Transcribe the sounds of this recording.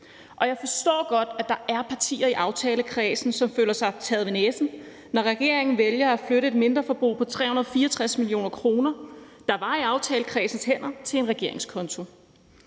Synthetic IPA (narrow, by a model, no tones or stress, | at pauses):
ʔɒ̽jɑ̈ɪfɒ̽sd̥ɔ̰ːɡ̥ɒ̽d̥æd̥ɑ̈ʔæɐpʰɑ̈t͡sʰḭːɐiʔɑ̈ʊt͡sʰɛːləkʰʁɛːsn̩sɒ̽mføːlɐsɑ̈ɪt͡sʰæðˠʋe̝nesn̩ | nɒʁɛɡ̥e̝ɐe̝ŋn̩ʋeljɐæfløɾəe̝d̚me̝nd̥ʁɐfɒ̽b̥ʁṵːpʰɒ̽t͡sʰʁɛ̰ːhunɐðˠfiːɐɒt͡sʰʁasmilijo̝̰ːnɐkʰʁo̝ːnɐd̥ɑ̈ʋɑ̈iɑ̈ʊt͡sʰɛːləkʰʁɛ̰ːsn̩shen̰ɐt͡sʰe̝e̝nʁɛɡ̥e̝ɐ̰e̝ŋskʰɒ̽nt͡sʰo̝